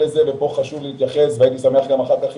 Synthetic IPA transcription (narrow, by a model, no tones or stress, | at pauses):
leze̞vepo̞χaʃuvleit̪jaχe̞sveajit̪isame̞aχɡamaχakaχ